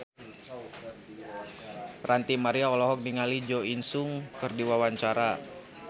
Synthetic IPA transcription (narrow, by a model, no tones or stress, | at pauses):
rant̪imaɾiaɔlɔɦɔk̚niŋalid͡ʒoinsʊŋkɨrdiwawaɲt͡ʃaɾa